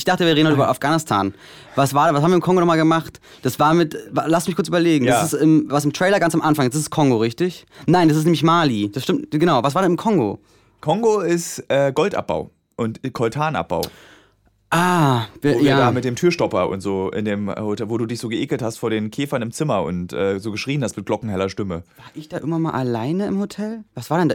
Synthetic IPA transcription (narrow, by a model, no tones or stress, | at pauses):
ɪçd̥aχtəviːɐʁeːdnhɔtʔyːbɐʔafɡ̥aːnɪstʰa̰ːn | vasv̥aːɐvashaːbmviɐɪmkʰɔŋɡonɔχmaːlɡəmaχt | d̥asv̥aːɐmɪtvalasmɪçkʊɐt͡syːbɐleːɡŋ̩dasɪstɪmvas̬ɪmtʁ̥ɛɪlɐɡant͡samʔanfaŋɪstd̥asɪskʰɔŋɡoʁɪçtɪçnaɪndasɪstnɛmlɪçmaːlid̥asʃtɪmtɡənaʊvas̬v̥aːdɛnɪmkʰɔŋɡo̰ | kʰɔŋɡoɪstʔɛːɡɔltʔa̰p̚b̥a̰ʊ | ʔʊntkʰɔltʰaːnʔa̰p̚b̥a̰ʊ | ʔaːvjiaːɐːaːmɪt̚d̥eːmtʰyːɐʃtɔpɐʔʊ̰ntz̥oːʔɪ̰ndeːmhotɛvoːduːdɪçz̥oːɡəʔeːkl̩thastfoːɐdeːnkʰeːfɐnɪmt͡sɪmɐʊ̰ntʔɛːzoːɡəʃʁ̥iːənhastmɪt̚ɡ̥lɔkŋ̩hɛlɐʃtɪməv̥aːɐʔɪçd̥aːʔɪ̰ɐɡŋvanmalʔa̰laɪnəɪmhotʰɛlvasv̥aːɐdɛnd